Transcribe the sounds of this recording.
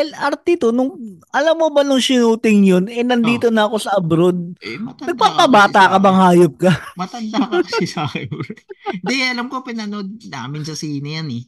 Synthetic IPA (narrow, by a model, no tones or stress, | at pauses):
ɛlʔɐɾt̪ɪt̪onʊŋʔɐlɐmːobɐnʊŋsɪnuːt̪ɪŋjonɛnɐnd̪iːt̪o̞nɐɐko̞sɐʔɐbɾod̪̚ɐɡ̚paːpɐbaːt̪akɐbɐŋhaːjop̚kɐmɐt̪ɐnd̪aksɪsaːkɛnoɾɛd̪ɛɐlɐmkopɪnɐnod̪̚na̰ːmɪnsɐsiːnɐjanɛ